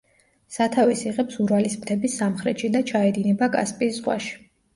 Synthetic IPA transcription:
sat̪ʰavisiʁɛpsuɾalismt̪ʰɛbisamχɾɛt̪ʃid̪at͡ʃʰaɛd̪inɛbakʼa̰spʼiszʁwa̰ʃi̥

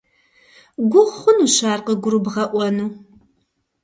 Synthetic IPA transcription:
ɡʷʊʁχʷʊnuːɕaːrqəɡʷʊɾubʁɐʔʷɔnuː

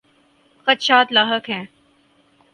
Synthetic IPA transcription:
xət̪ʃaːt̪laːɦəkɦɛ̃ː

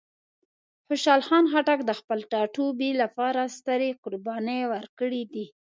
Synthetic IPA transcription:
xʊʃɑlxɑnxaʈakd̪əxpəlʈɑʈubilapɑɾast̪əɾeqʊɾbɑnəwəɾkəɽid̪i

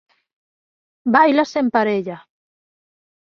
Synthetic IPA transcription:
bajlasempaɾeʎa

